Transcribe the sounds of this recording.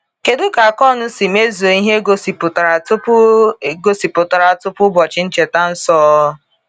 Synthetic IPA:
ke˨dʊ˦ka˨kɔ˦˨nʊ˦si˨me˦zu˨o˨i˦ɦe˦ɡo˦si˨pʊ˨ta˨ɾa˨ʊ˦˨ɡo˨si˨pʊ˨ta˨ɾa˨tʊ˦pʊ˦bɔ˨t͡ʃɪ˦n̩˦t͡ʃe˨ta˦n̩˦sɔː˦

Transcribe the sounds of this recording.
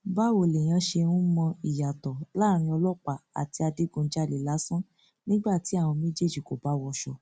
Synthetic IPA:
ba˦wo˨le˨j̃ã˧ʃe˧nũ˦mɔ̃˧i˨ja˨tɔ˨la˦˨ɾ̃ĩ˧ɔ˧lɔ˦k͡pa˨a̰˨ti˧a˧di˨˦ɡũ˧˦d͡ʒa˦˨le˨la˨˦sã˦ | nĩ˦ɡ͡ba˦˨ti˨˦a˦˨w̃ɔ̃˧mĩ˦d͡ʒe˦˨d͡ʒi˨ko˨ba˨˦wɔ˧ʃɔ̰˧

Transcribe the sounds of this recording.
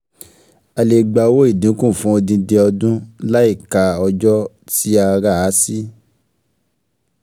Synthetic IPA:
a˧le˨ɡ͡ba˧wo˦i˦˨dĩ˨˦kũ˦˨fũ˧˦o˧dĩ˧de˧ɔ˧dũ˦la˦i˦˨ka˨ɔ˧d͡ʒɔ˦ | ti˦a˧ɾa˦˨a˦si˦

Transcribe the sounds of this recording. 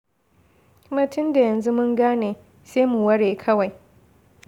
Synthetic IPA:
ma˦tʊ˦nda˨jɐ˨nzu˦mʊ˦ŋɡaː˦neː˨ | seː˦mu˨wɐ˦ɽeː˨kʰɐ˦wa˨j

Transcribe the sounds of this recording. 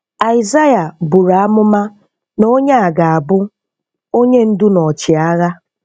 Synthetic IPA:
a˨ɪ˨za˦ja˨bu˨ɾa˨a˦mʊ˦ma˦ | no˦ɲe˦a˨ɡa˨a˨bʊ˦ | o˦ɲe˦n̩˦dʊ˦nɔ˨t͡ʃɪ˨a˦ɣa˦

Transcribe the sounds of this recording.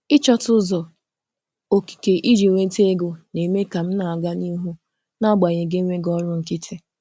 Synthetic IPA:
ɪ˦t͡ʃɔ˦tʊ˦zɔ˨ | o˨ki̥˨ke˨ʔi˦d͡ʒi˨ŋʷe˦te˦e˦ɡo˨ne˨me˦ka˨m̩˦na˨a˨ɡa˦ni˦ɦu˦ | na˦ɡ͡ba˨ɲe˨ɡe˦ŋʷe˦ɡɔ˦ɾʊ˦ŋ̩˨ki˦tɪ˦

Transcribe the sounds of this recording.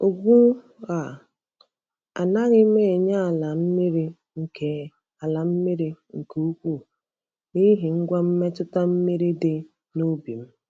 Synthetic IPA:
o˨ɡu˦ | ɣa˨ | a̰˨na˦ɣɪ˦me˦˨ɲa˦˨la˨m̩˦mi˦ɾi˦ | ŋ̩˨e˨ | a˨la˨m̩˦mi˦ɾi˦ŋ̩˨ku˨u˦kʷu˦˨ | ni˦ɦi˨ŋ̩˦ɡʷa˦m̩˦me˦tʊ˦ta˦m̩˦mi˦ɾi˦de˦ | no˦bi˨m̩˦

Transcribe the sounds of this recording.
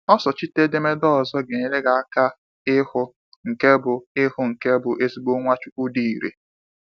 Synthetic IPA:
ɔ˦sɔ˨t͡ʃi˦te˦de˦me˦dɔ˦ɔ˨zɔ˦ɡe˨ɲe˨ɾe˦ɡa˨a˦ka˦ | ɪ˦hʊ˦ | ŋ̩˨ke˦bʊ˨ɪ˦hʊ˨ŋ̩˨ke˦bʊ˨ʔe˦si˦ɡ͡bo˦ŋʷa˦t͡ʃʊ˦u˦di˨i˨ɾḛ˨

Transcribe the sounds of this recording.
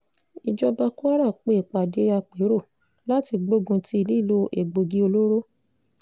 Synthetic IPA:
i˨d͡ʒɔ˧ba˧ku˦a˦ɾa˦˨k͡pe˨˦˨k͡pa˨de˨˦a˧k͡pe˨˦ɾo˦˨ | la˦ti˧ɡ͡bo˦ɡũ˧ti˧i˧li˦˨lo˦ʔḛ˨ɡ͡bo˨ɡi˧˦o˧lo˦ɾo˦

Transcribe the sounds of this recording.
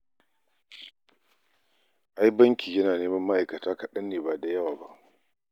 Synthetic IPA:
ʔa˦jbɐ˦ŋkʲiː˨jɐ˦naː˨neː˦mɐ˦mːa˦ʔa˨jkɐ˨taː˦kɐ˨ɗɐ˦nːeː˨baː˨da˨jɐ˦waː˨ba̰˦ʔ

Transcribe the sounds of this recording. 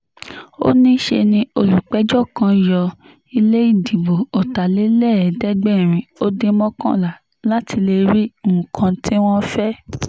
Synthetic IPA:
o̰˦nĩ˦ʃe˧nĩ˧˦o˧lu˨k͡pɛ˨˦d͡ʒɔ˦˨kã˧jɔ˧ | i˧le˦i˦˨di˨bo˨o˨ta˨le˨˦lɛ˦˨dɛ˦ɡ͡bɛ˦˨ɾ̃ĩ˨o˦de˧mɔ̃˦kã̰˦˨la˨ | la˦ti˧le˧ɾi˦mũ˨kʰã˧tʰi˦w̃ɔ̃˦fɛ˦

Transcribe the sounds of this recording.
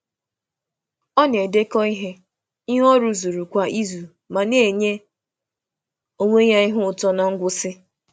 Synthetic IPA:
ɔ˦ne˨de˦kɔ˦i˦ɦe˦ | i˦ɦɔ˦ɾu˦zu˨ɾu˨kʷa˨i˦zu˨ | ma˨ne˦˨ɲe˦ | o˦ŋʷe˦ɲa˦i˦ɦʊ˦ʊ˨tɔ˦na˨ŋ̩˦ɡʷʊ˦sɪ˦

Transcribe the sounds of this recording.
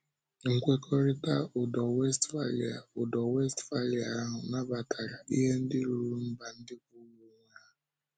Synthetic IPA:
ŋ̩˨kʷe˦kʰɔ˦ɾɪ˦ta˦ʊ˨dɔ˨we˦stfa˦li˨a˨ʊ˨dɔ˨we˦stfa˦li˨a˨a˦ɦʊ˨na˦ba˨tʰa˨ɾa˨i˦ɦe˦n̩˦dɪ˦ɾu˨ɾu˨ɾu˦m̩˦ba˨n̩˦dɪ˦k̚u˦wu˨ŋ˦ɾa˦

